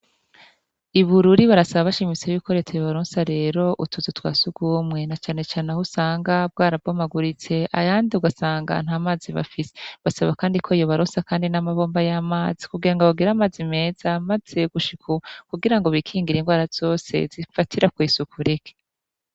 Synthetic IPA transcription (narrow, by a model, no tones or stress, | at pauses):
iβuɾuɾiβaɾasaβaβaʃimit͡sejuːko̞ɾe̞tajoβaɾoːnsaɾe̞ːɾo̞ʔutuzutwa̰ːsuɡ̥uːmŋe̞nat͡ʃaːne̞t͡ʃaːnehusaːŋɡab̚ɡaːɾab̚ɡomaɡuɾit͡se̞ʔa̰jaːndiuɡasaːŋɡa̰n̥haːmaːziβa̰fise̥βasaβakaːndikʰo̞ijo̞βaɾoːnsakaːndinamaβo̞ːmbajamaːzikuɡiɾaŋɡaβaɡiɾaːmazime̞ːzamaz̥e̞ɡuʃikʰukuɡiɾaŋɡo̞βikʰiːŋɡiɾinɡwaːɾaz̥o̞ːse̞̰zifatʰiɾakwiːsukʰuɾikʰe̥